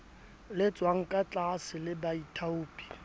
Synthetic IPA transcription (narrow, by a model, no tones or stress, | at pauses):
lɪt͡sʼwaŋ̩kʼat͡ɬʼasɪlɪbaitʰauːpʼi̥